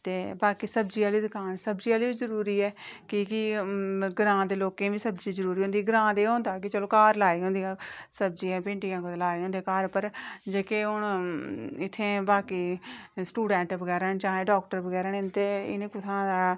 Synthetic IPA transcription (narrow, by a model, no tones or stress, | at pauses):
t̪eːbaːkiːsəbd͡ʒiːaːliːd̪ʊkaːnsəbd͡ʒiːaːliːbiːzəɾuːɾiːɛːkɪkɪ | ɡəɾãːd̪eːloːkẽːʋiːsəbd͡ʒiːzəɾuːɾiːɦʊ̃ːnd̪iːɡəɾãːd̪eːɦõːnd̪aːkɪt͡ʃəloːkaːɾlaːiːɦʊ̃nd̪iãːsəbd͡ʒiːãːpẽːɳʈɪjãːkolaːiːɦõːnd̪eːkaːɾpəɾd͡ʒeːkeːɦʊɳ | ɪt̪ʰːẽːbaːkiːsʈuːɖɛ̃ːɳʈbəɡɛːɾənt͡ʃaːɦẽːɖɔːk̚ʈəɾbəɡɛːɾəɳɪnt̪eːɪ̰nẽːkʊt̪ʰãːd̪aː